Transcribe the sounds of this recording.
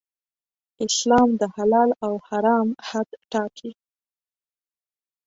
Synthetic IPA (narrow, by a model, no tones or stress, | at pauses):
ɪslɑmd̪əhalɑlawhaɾɑmhad̪ʈɑkʰi